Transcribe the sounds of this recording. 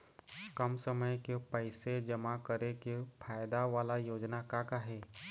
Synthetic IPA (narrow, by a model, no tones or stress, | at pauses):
kəmsəməjkepəɪsed͡ʒəmakəɾekepʰaːjd̪aʋaːlajoːd͡ʒnakakaɦɛː